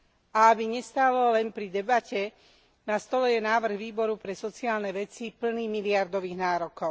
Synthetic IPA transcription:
ʔaabiɲɛst̪alɔlɛnpɾid̪ɛbacɛ | nast̪ɔlɛjɛnaːʋr̩ɣʋiːbɔɾupɾɛsɔt͡siaːlnɛʋɛt͡sipl̩niːmiliaɾd̪ɔʋiːɣnaːɾɔkɔʊ

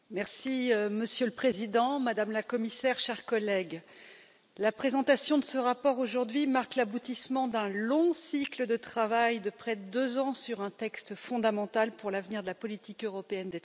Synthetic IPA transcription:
mɛʁsiməsjøləpχezid̪ɑ̃mad̪amlakɔmisɛʁʃɛʁkɔlɛɡ | lapχezɑ̃t̪asjɔ̃d̪əsəʁapɔʁoʒuʁd̪ɥimaʁklabut̪ismɑ̃d̪ɛ̃lɔ̃sikləd̪ət̪χavajd̪əpχɛd̪əd̪øzɑ̃syʁɛ̃t̪ɛkst̪fɔ̃d̪amɑ̃t̪alpuʁlavniʁd̪əlapɔlit̪ikøʁɔpeɛnd̪ɛ

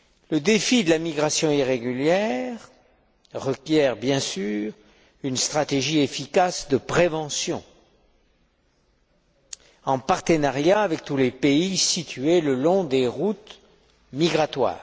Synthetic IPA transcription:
ləd̪efid̪əlamiɡʁasjɔ̃iʁeɡʲyljɛʁ | ʁəkʲjɛʁbjɛ̃syːʁ | ynst̪χat̪eʒiefikasd̪əpχevɑ̃sjɔ̰̃ | ɑ̃paʁt̪ənaʁjaːvɛk̚t̪ulepeisit̪yeləlɔ̃d̪eʁut̪ | miɡʁat̪wa̰ːʁ

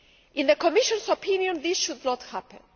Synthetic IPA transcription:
ʔɪ̃nðəkɔmɪʃɔ̃nsɔpʰĩnjɔ̃nðɪsʃud̪nɔthæpə̰̃n

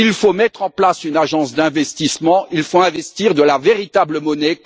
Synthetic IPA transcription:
ilfomɛt̪χɑ̃plasynaʒɑ̃sd̪ɛ̃vɛst̪ismɑ̃ilfoɛ̃vɛst̪iʁd̪əlaveʁit̪abləmɔnɛ

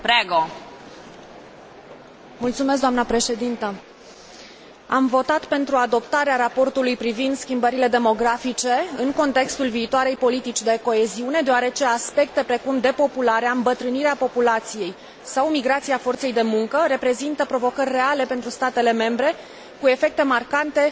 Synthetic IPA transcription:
pɾeɡo | mult̪sumes̬d̪oamnəpɾe̞ʃe̞d̪int̪ə | a̰mvo̞t̪at̪pe̞nt̪ɾuad̪o̞pt̪aɾeaɾapo̞rt̪ulujpɾivind̪skʲimbəɾile̞d̪e̞mo̞ɡɾafit͡ʃe̞ɨŋko̞nt̪e̞kst̪ulviːt̪oaɾe̞jpo̞lit̪it͡ʃʲd̪e̞ko̞e̞ziune̞d̪eaɾe̞t͡ʃe̞aspe̞k̚t̪e̞pɾe̞kumd̪e̞po̞pulaɾeaɨmbət̪ɾɨniɾeapo̞pulat̪sije̞j | sawmiɡɾat̪siafo̞rt̪se̞jd̪e̞muŋkəɾe̞pɾe̞zint̪əpɾo̞vo̞kərʲːe̞ale̞pe̞nt̪ɾust̪at̪e̞le̞me̞mbɾe̞ | kue̞fe̞k̚t̪e̞markant̪e̞

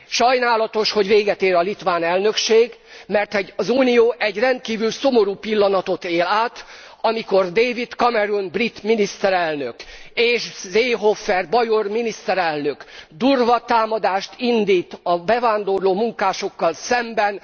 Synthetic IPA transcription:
ʃɒjnaːlɒt̪o̞ʃho̞ɟveːɡɛt̪eːɾɒlit̪ʋaːnɛlnø̞kʃeːɡmɛrt̪ɛɟɒzuːnijoːʔɛɟrɛnt̪̚kiːvylso̞mo̞ɾuːpilːɒnɒt̪o̞t̪eːlaːt̪ | ɒmiko̞rd̪eːvit̪kɒmɛɾunbrit̪minist̪ɛɾɛlnøkeːʃzeːɦofːɛrbɒjorminist̪ɛɾɛlnø̞kd̪uːrvɒt̪aːmɒd̪aːʃt̪ind̪iːt̪ɒbɛvaːnd̪o̞rloːmuŋkaːʃo̞kːɒlsɛmbɛn

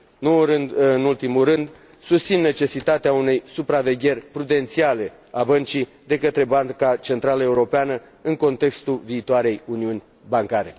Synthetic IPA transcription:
nouɾɨnd̪ɨnult̪imulrɨnd̪ | sust̪sinːe̞t͡ʃe̞sit̪at̪eaune̞jsupɾave̞ɡʲe̞rʲpɾud̪e̞nt̪siale̞ | abənt͡ʃi | d̪e̞kət̪ɾe̞baŋkat͡ʃe̞nt̪ɾaləe̞uɾo̞peanə | ɨŋko̞nt̪e̞kst̪ulviːt̪oaɾe̞juniunʲ | baŋkaɾe̞

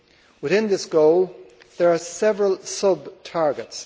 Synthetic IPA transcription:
wɨθɪ̃nðɪsɡ̥oʊlˠ | ðə˞asɛvɹəlˠsʌbtʰɑɹɡɨts

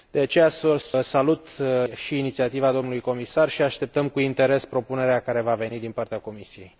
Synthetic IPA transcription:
d̪̥e̞at͡ʃe̞jasosalut̪ʃiːnit̪siat̪ivad̪o̞mnulujko̞misarʃiaʃt̪e̞p̚t̪əmkuint̪e̞ɾe̞spɾo̞pune̞ɾeakaɾe̞vave̞nid̪inpart̪eako̞misije̞j

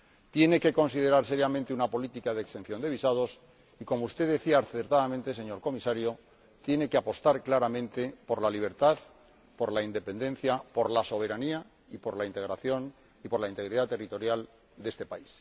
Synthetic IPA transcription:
t̪je̞ne̞ke̞ko̞nsið̞e̞ɾaɾse̞ɾjamẽnt̪eunapo̞lit̪ikaðekst̪e̞n̟θjo̞nd̪e̞β̞isað̞o̞s | iko̞moust̪e̞ðeθiaːɾθe̞ɾt̪aðamẽnt̪e̞s̬e̞ɲo̞ɾko̞misaɾjo̞ | t̪je̞ne̞keapo̞st̪aɾklaɾamẽ̞nt̪e̞po̞ɾlaliβ̞e̞ɾt̪að | po̞ɾlaind̪e̞pe̞nd̪ẽ̞n̟θjapo̞ɾlaso̞β̞e̞ɾania | ipo̞ɾlaint̪e̞ɣ̞ɾaθjo̞n | ipo̞ɾlaint̪e̞ɣɾiðat̪erit̪o̞ɾjal | d̪e̞st̪e̞pais

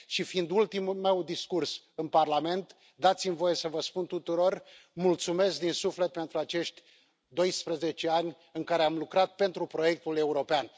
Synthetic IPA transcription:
ʃifind̪ult̪imume̞wd̪iskurs | ɨnparlame̞nt̪ | d̪at̪simvo̞je̞səvəspunt̪ut̪uɾo̞rmult̪sume̞sk̚d̪insufle̞t̪̚pe̞nt̪ɾuat͡ʃe̞ʃt̪ʲ | d̪o̞jspɾəze̞t͡ʃe̞anʲ | ɨŋkaɾe̞amlukɾat̪̚pe̞nt̪ɾupɾo̞je̞k̚t̪ule̞uɾo̞pean

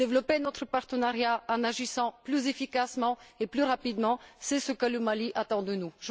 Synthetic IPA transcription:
evlɔpenɔt̪χəpaʁt̪ənaʁjaɑ̃naʒisɑ̃plyzefikasmɑ̃eplyʁapid̪mɑ̃sɛsəkələmaliʔat̪ɑ̃d̪ənuʒə

